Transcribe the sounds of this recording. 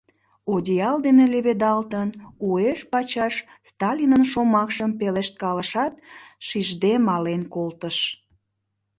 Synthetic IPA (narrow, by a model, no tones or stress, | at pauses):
odʲiɑld̪eneleβed̪ɑlt̪ənueʃpɑt͡ɕɑʃst̪ɑlʲinənʃomɑkʃəmpeleʃt̪̚kɑləʃɑt̪̚ʃiʒd̪emɑlenkolt̪əʃ